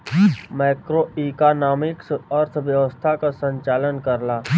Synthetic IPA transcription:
maːkɾoiːkaːnaːmɪksəɾt̪ʰʋjɐʋəst̪ʰakasə̃ɲt͡ʃaːlənkəɾlaː

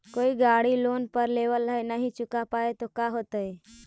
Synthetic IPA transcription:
koːiɡaːɽiloːnpəɾleːʋəlːaenəɦĩt͡ʃʊkapaːet̪okaɦoːt̪əe

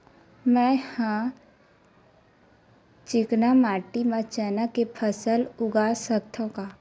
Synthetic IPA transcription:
mɛ̃hã | t͡ʃɪknamaːʈimãt͡ʃənakepʰəsəlʊɡasək̚t̪ʰõkaː

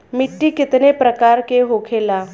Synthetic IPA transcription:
miʈːiːkit̪nepɾəkaɾkeɦokʰela

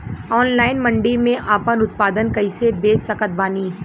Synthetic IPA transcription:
ɔːnlaːɪnmɐ̃ɳɖimẽʔaːpənʊt̪̚paːd̪ənkɐɪsebeːsɐkət̪̚baːniː

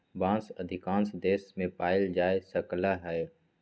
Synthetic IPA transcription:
bãːnsəd̪ʱɪkãːnsd̪eːsmẽpaːɪld͡ʒaːesəklaɦɛ

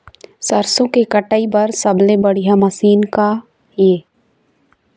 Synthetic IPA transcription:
sɐɾsõkekəʈaːibɐɾsɐblebɐɽijamɐsiːnka | eː

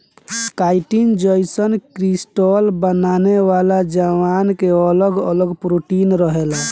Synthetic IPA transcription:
kajʈind͡ʒəjsənkɾisʈɔlbənaneʋalad͡ʒəʋankeələɡələɡpɾoʈinɾəɦela

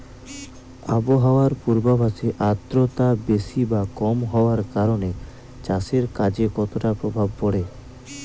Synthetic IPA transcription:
a̰boɦaoaɾpuɾbabʱaʃeʔat̪ːɾot̪abeʃibakɔmɦɔoaɾkaɾone | t͡ɕaseɾkad͡ʑekɔt̪oʈapɾobʱab̚pɔɽe

